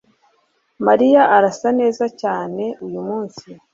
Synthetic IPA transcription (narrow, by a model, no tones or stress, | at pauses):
maɾijaʔaɾasane̞ːzacaːne̞ujumuːnsi